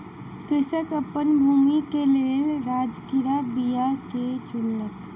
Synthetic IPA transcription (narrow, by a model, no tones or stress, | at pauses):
kɪsəkəpənbʱuːmikeleːlɾaːd͡ʒkɪɾabijaket͡ʃʊnːək